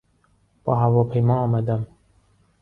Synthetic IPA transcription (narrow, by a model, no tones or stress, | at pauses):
b̥ɒ̰ːɦævɒːpʰe̞jmɒːmæd̪æm